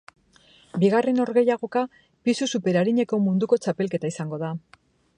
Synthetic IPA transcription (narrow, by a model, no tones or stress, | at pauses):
biɣare̞no̞ɾɣe̞jaɣ̞o̞ka | pisusupe̞ɾaɾiɲe̞ko̞mund̪uko̞t͡ʃape̞lke̞t̪aisaŋɡo̞ða